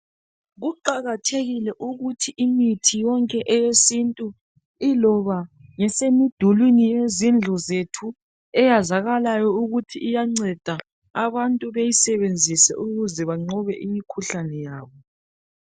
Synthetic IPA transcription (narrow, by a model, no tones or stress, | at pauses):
ɣuǃaɣatʰeɣilɛʔuɣutʰiʔimitʰijɔŋkʼɛʔɛjesintʼu | ilɔβaŋɛsemid̥ʱulwinijezind͡ɮʱɔzetʰu | ɛjazaɣalajɔuɣutʰiʔːjaŋ͡ǀɛd̥ʱa | aβantʼuβejisɛβend͡zʱisɛ̰ʔuɣuzɛβaŋ͡ǀɔβɛʔimikʰuɬanɛjaːβɔ